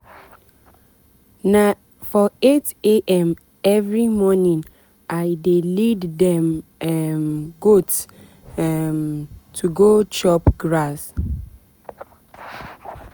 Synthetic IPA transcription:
na | fɔeteʔɛ̃m | ɛvɹimɔnĩn | ʔaɪdeliddɛ̃mɛmɡots | mtʰuɡot͡ʃɔpɡɹas

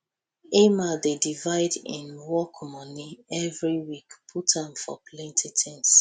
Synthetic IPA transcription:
emadedivaɪdḭ̃nwɔkmɔniɛvɹiwikpʰutãmfɔ̰plẽntʰetʰɛ̃ns

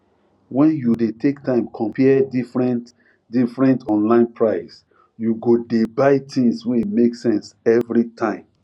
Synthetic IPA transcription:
wɛ̃njudetʰektʰãɪ̃mkʰɔ̃mpʰɛɛdifɹɛ̃nt | difɹɛ̃ntʰɔ̃nlãɪ̃npʰɹaɪs | juɡodebaɪtʰĩŋswɛ̃imeksɛ̃nsɛvɹitʰãɪ̃m

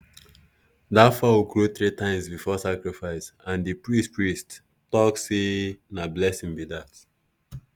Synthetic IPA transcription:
dafɔwukɹuθɹitãɪ̃msbifɔsakɹifaɪsãndɨpɹistpɹist | tɔksenablɛsĩŋbiðat

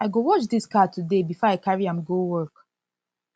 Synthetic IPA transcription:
aɪɡowɔt͡ʃdiskatʰudebifɔaɪkaɹiãmɡowɜ˞k

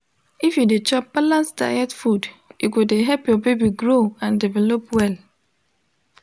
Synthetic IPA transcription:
ifjudet͡ʃɔpbalãnsda̰ɪɛtfudjukudeɦɛlpjɔbebiɡɹoãndivɛlɔpwɛl

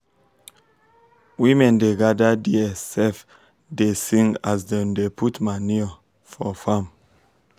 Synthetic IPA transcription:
wĩmɛ̃ndeɡadadiɛsɛf | desĩŋasdõndepʰutmaniɔ | fɔfãm

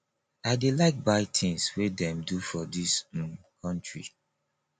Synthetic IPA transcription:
aɪdelaɪk̚baɪtʰĩŋswedɛ̃mdufɔdis | kʰɔ̃ntɹḭ

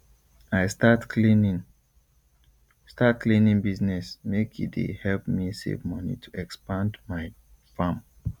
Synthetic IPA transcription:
aɪstatkin | stat̚klĩnĩnbiznɛsmekʰḭdḛhɛlp̚misḛvmʌnḭtʰuɛkspãndmaɪ | fãm

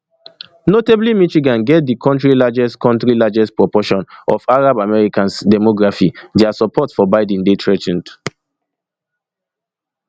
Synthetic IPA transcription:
noteblimiʃiɡãnɡɛt̚dikʰɔ̃ntɹilad͡ʒɛstkʰɔ̃ntɹilad͡ʒɛstpɹɔpɔʃɔ̃nɔfaɹabamɛɹikãnsdɛmɔɡɹafidɛasɔpʰɔtfɔbaɪdɛ̃ndetʰɹɛtɛ̃nd

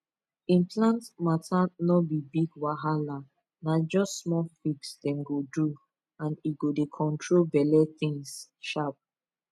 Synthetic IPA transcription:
ĩnpʰlãntmatʰanɔbibiɡwaɦala | nad͡ʒɔstsmɔfiɡsdɛ̃mɡodu | ãniɡodekʰɔ̃ntʰɹolbɛlɛθĩŋsʃap̚

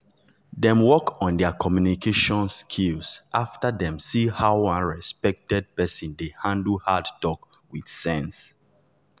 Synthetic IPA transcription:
dɛ̃mwɔkʰɔ̃ndɛəkʰɔmjunikʰeʃɔ̃nskʰilsʔaftədɛ̃msihawãnɹɛspɛk̚tɛd̚pɛsĩndehãndl̩hadtɔkwid̥sɛ̃ns

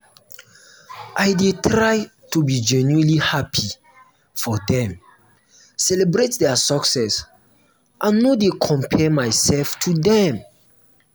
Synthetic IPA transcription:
ʔajdetʰɾaj | tʰubid͡ʒɛnuĩnlihapʰi | fɔdɛ̃m | sɛlɛbɹetdɛasɔksɛs | ʔãnːodekʰɔ̃mpʰɛmaɪsɛlftʰudɛ̃m

